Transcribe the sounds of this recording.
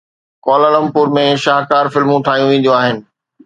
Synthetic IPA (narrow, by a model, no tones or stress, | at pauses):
kɔːlələmpʊɾmẽʃaːɦkaːɾfɪlmũt̪ʰaːijũʋẽːn̆d̪joaːɦɪnɪ̆